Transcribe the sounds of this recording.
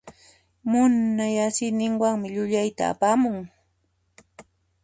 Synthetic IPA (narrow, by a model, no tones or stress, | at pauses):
mʊnːajasɪnɪŋwaŋmɪʎʊʎajt̪a̰ːpaːmʊŋ